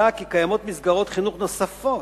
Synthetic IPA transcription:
akikajamo̞t̪misɡaʁo̞t̪χinuχno̞safo

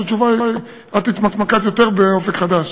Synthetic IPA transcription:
at͡ʃuva | at̪it̪mat̪makat̪jo̞t̪eʁbeo̞fekχad̪aʃ

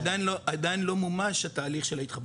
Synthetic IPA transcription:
d̪ajnloʔad̪ajnlo̞mumaʃhat̪aːliχʃelahit̪χab

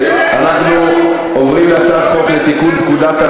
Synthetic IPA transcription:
ʔanaχnu | ovʁimlat͡sad̪χo̞klet̪ikunt̪kud̪at̪a

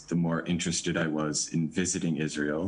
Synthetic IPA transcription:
ðəmɔɹʔɪ̃nt͡ʃɹ̥ɨstɨɾaɪwʌzɪ̰̃nvɪzɨɾɪ̃ŋɪzɹilˠ

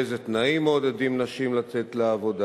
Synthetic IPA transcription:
ezet̪naimod̪edimnaʃimlat͡se̞t̪leavo̞da

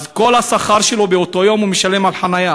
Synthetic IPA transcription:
zko̞lasaχaʁʃelo̞beot̪o̞jo̞mumiʃalemalħanaja

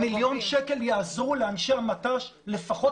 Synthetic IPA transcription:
miljo̞nʃeke̞ljaazʁuleanʃeamataʃle̞faχo̞

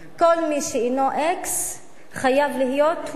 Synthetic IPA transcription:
ko̞lmiʃeinoʔeks | χajavlihijo̞t̪

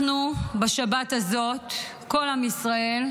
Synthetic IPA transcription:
nubaʃabat̪hazo̞t̪ | ko̞lhamisʁae̞l

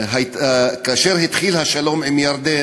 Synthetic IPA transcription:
ɦakaːʃeɾhit̪χilhaʃalo̞mimjaɾd̪e

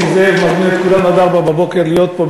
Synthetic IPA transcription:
zevmad̪neet̪kulamad̪aʁbababokeʁlijot̪̚po

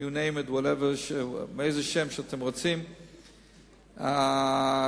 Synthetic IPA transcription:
junẽɪ̃mɨdwɔɾɛvəʃmɛeɪzəʃɛ̃mʃəatʰɛ̃mʁot͡sĩm | a

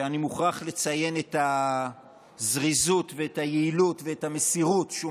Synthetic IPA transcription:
animuχaχle̞t͡saje̞neta | zʁizutve̞etajeilutveetame̞siʁutʃu

